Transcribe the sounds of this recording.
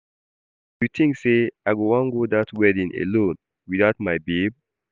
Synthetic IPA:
jutʰĩŋkseaɪɡoãnɡodatwɛdĩnḛlõn | wiðaʊtmaɪbeb̚

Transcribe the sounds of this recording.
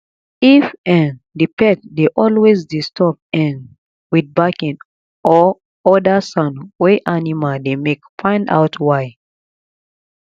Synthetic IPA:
ifɛ̃n | dipʰɛtdeʔɔlwezdistʰɔp̚ɛ̃n | wid̚bakĩn | ʔɔ | ɔdəsãnweʔanimaldemekfʰãɪ̃nda̰ʊtʰwaɪ

